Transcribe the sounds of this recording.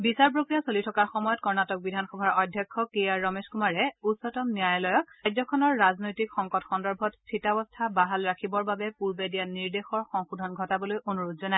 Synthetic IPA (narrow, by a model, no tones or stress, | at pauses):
bisaɹpɹokɹijasolitʰɔkaɹxɔmɔjɔtkɔɹnatɔk̚bidʱanxɔbʱaɹɔdʱjɔkʰːɔkejaɹːɔmeskumaɹɛutsɔtɔmnijajɔlɔjɔkajzɔkʰɔnɔɹːaznojtikxɔŋkɔtxɔndɔɹbʱɔttʰitabɔstʰabaɦalɹakʰibɔɹbabɛpuɹbedijaniɹdexɔɹxɔŋxudʱɔnɡʱɔtabɔlojʔonuɹodzɔnaj